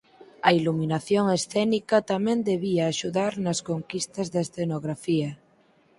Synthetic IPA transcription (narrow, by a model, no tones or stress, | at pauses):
ɐiluminaθjoŋesθɛnikɐt̪amẽnd̪eβiaːʃuðaɾnɐskoŋkist̪ɐzðesθenoɣɾafiɐ